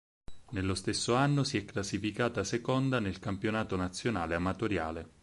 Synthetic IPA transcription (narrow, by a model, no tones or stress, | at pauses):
nelːost̪esːoanːosiɛkːlasːifikaːt̪asekɔnd̪anelkampjonaːt̪onat̪sːjona̰ːleamat̪oɾja̰ːle